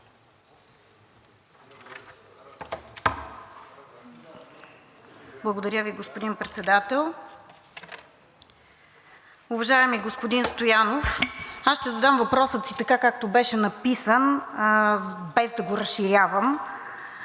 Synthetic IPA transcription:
blˠəɡod̪ɐɾʲjəviɡospod̪inpɾɛt̪sɛd̪at̪ɛlˠ | ʊvɐʒaɛmiɡospod̪inst̪ojanofasʃt̪ɛzɐd̪amvɐpɾɔsət̪sit̪ɐkakak̚t̪obɛʃɛnɐpisən | bɛzd̪ɐɡoɾəsʃiɾʲavəm

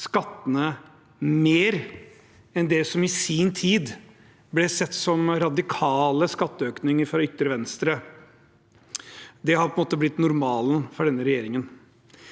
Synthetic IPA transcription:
skɑt̪ːənə | meːɾ | ɛnd̪ɛsɔmɪsiːnt̪ʰiːd̪ | blɛsɛt̪ːsɔmɾɑd̪ɪkʰɑːləskɑt̪ːəøːknɪŋəɾfɾɑʏt̪ːəɾəʋɛnst̪ɾə | d̪ɛhɑpʰɔəmoːt̪əblɪt̪ːnʊɾmɑːlnfɔɖɛnːəɾɛjeːɾɪŋən

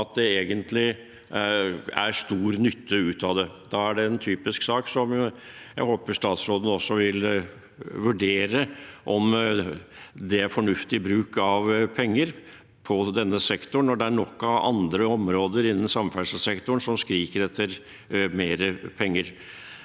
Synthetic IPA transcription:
ɑt̪̚d̪ɛeːɡənt̪lɪ | æ̰ɾst̪uːɾnʏt̪ʰːəʉːt̪ʰɑd̪ɛd̪ɑːæɖɛɛnt̪ʰyːpɪsksɑːksɔm | jæ̰ɪhoːpəʂt̪ɑːt̪sɾoːd̪ən̩ɔsːɔʋɪl | ʋʉɖeːɾəʔɔm | d̪ɛæɾfɔɳʉft̪ɪbɾʉːkɑʋpʰɛŋːəɾ | pʰɔd̪ɛnːəsɛkt̪ʊɳɔɖɛæɳɔkːɑɑ̰nd̪ɾəɔmɾoːd̪əɾɪnːən̩sɑmfælsəsɛkt̪ʊɳsɔmskɾiːkəɾɛt̪ʰːəɾ | meːɾəpʰɛŋːəɾ

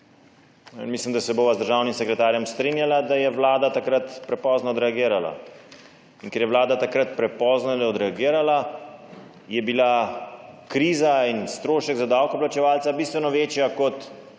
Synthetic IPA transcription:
ninmislimd̪asɛboːʋazd̪əɾʒaːwnimsɛkɾɛt̪aːɾjɛmst̪ɾinjalad̪ajɛʋlaːd̪at̪akɾat̪pɾɛpɔːznɔd̪ɾɛaɡiːɾala̰ | inkɛɾjɛʋlaːd̪at̪akɾat̪pɾɛpɔznalɔd̪ɾɛaɡiːɾala | jɛbila | kɾiːzainst̪ɾoːʃɛɡzad̪awkɔplat͡ʃɛʋaːlt̪sabist̪ʋɛnɔʋeːt͡ʃjakɔt̪

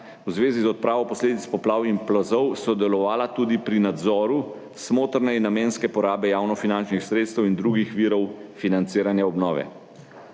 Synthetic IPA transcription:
wzʋeːzizɔt̪̚pɾʔaːʋɔpɔsleːd̪it̪spɔplaːwimplɔzɔwsɔd̪ɛlɔʋaːlat̪uːd̪ipɾinad̪zɔːɾu | smoːt̪ɾnɛinːameːnskɛpɔɾaːbɛjaːwnɔfinant͡ʃnixsɾeːt̪st̪ɛwind̪ɾuɡixʋiːɾɔwfinant̪siːɾanjaɔbnɔːʋɛ̰

